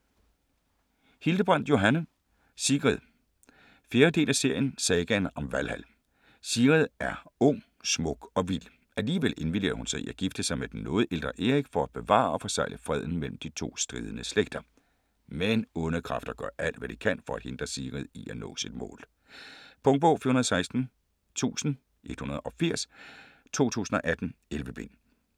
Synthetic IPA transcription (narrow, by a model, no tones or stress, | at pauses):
hild̥əb̥ʁɑn̰d̥jo̝ɦænə | siɡ̥ʁiðˠ | fjeːɐd̥e̝̰ːlæse̝ɐ̰jənsɛːɡ̥ænɒ̽mʋælhæl | siːʁiðˠæɐɔ̽ŋ̰ | smɔ̽ɡ̥ɒ̽ʋil̰ | æliːʋele̝nʋid̥e̝ːɐ̰hunsɑ̈ɪiæɡ̥ifd̥əsɑ̈ɪmed̥en̩ːɔ̽ːð̞̩ˠʔe̝ld̥ʁɐʔe̝ʁiɡ̥fɒ̽æ̥b̥e̝ʋɑ̰̈ːɒ̽fɒ̽sɑ̈ɪləfʁɛð̞̰ˠn̩mel̰m̩d̥it͡sʰo̝̰ːsd̥ʁiːð̞ˠənəsleɡ̥̚d̥ɐ | menɔ̽nəkʰʁɑ̈fd̥ɐɡ̥ɶɐ̰ʔæl̰d̥ʋæd̥ikʰæn̰fɒ̽æd̥he̝nd̥ʁɐsiːʁiðˠiʔænɔ̰̽ːsid̥mɔ̰̽ːl | pʰɔ̽ŋd̥̚b̥ɔ̽ʊfiːɐhunɐðˠsɑ̈ɪsd̥n̩ | t͡sʰṵːsn̩ | ʔe̝d̥hunɐð̞ˠɒ̽fiɐ̰s | t͡sʰo̝̰ːt͡sʰṵːsn̩ɒ̽ʔæd̥n̩elʋəb̥en̰